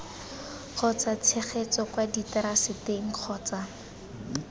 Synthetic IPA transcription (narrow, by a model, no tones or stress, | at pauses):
q͡χʰɔt͡sat͡sʰeχet͡sɔkwaditɛɾasɪteŋ̩q͡χʰɔːt͡sa